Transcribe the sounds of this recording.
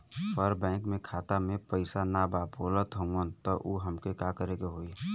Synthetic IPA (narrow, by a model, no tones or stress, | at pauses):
pəɾbɛ̃ːkmẽkʰaːt̪amẽpəɪsanabaːoːlət̪ɦə̃ənt̪ɔʔuɦəmkekakəɾekeɦoːi